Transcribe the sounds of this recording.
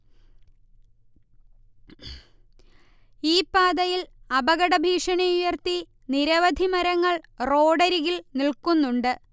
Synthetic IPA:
iːpːaːd̪ɐjilɐbɐɣɐɽɐbʱiːʂɐɳijujɐrt̪i | niɾɐʋɐd̪ʱimɐɾɐŋːɐɭro̞ːɖɐɾiɣilnilkunːuɳɖɨ

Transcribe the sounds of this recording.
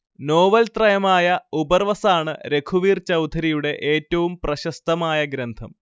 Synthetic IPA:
noːʋɐlt̪rɐjɐmaːjɐubɐrʋɐsaːɳɨɾe̞kʰuʋiːrt͡ɕɐwt̪ʰɐɾijuɽe̞ʔeːtːɐʋumprɐɕɐst̪ɐmaːjɐɡɾɐnd̪ʱɐm

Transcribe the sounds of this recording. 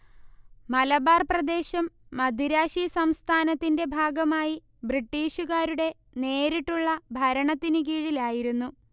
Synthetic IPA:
mɐlɐbaːrprɐd̪e̞ːɕɐmːɐd̪ʱiɾaːɕisɐmst̪ʰaːnɐt̪ːinde̞bʱaːɡɐmaːji | briʈːiːɕuɣaːɾuɽe̞ | ne̞ːɾiʈːuɭːɐbʱɐɾɐɳɐt̪ːinɨk̬iːɻilaːjiɾunːu

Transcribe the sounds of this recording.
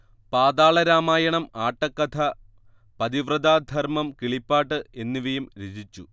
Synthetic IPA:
paːd̪aːɭɐɾaːmaːjɐɳɐmaːʈːɐkːɐt̪ʰɐ | pɐd̪iʋrɐd̪aːd̪ʱɐrmɐmkiɭipːaːʈːɨe̞nːiʋɐjumɾed͡ʑit͡ɕːu

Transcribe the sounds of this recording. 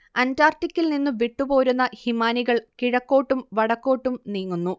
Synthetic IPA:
ɐntaːrtikʲːilninːuʋiʈːupo̞ːɾunːɐhimaːniɣɐɭkiɻɐkːo̞ːʈːumʋɐɽɐkːo̞ːʈːumniːŋːunːu

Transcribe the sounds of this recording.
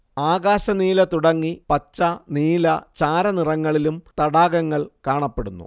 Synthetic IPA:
aːɣaːɕɐniːlɐt̪uɽɐŋːipɐt͡ɕːɐniːlɐt͡ɕaːɾɐnirɐŋːɐɭilumt̪ɐɽaːɡɐŋːɐɭkaːɳɐpːe̞ɽunːṵ

